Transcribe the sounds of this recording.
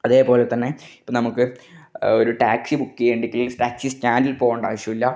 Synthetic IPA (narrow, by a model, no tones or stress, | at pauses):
ɐðe̞ːpo̞ːlet̪ːɐnːe̞i̥pːoːnɐmukːɨ | oɾuʈaːksibukːieːɳɖikʲːililʈaːksistaːndilpo̞ːɣɐɳɖa̰ːʋɐʂjɐmilːɐ